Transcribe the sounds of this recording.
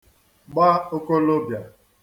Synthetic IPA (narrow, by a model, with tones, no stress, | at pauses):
ɡ͡ba˦o˦ko˦lo˦bja˨